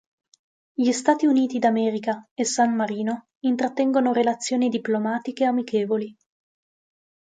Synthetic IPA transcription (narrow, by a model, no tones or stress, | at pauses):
ʎist̪aːt̪iuniːt̪id̪amɛːɾikaesanmaɾiːno | int̪ɾat̪ːɛŋɡonoɾelat̪sːjoːnid̪iplomaːt̪ikeamikeːvoli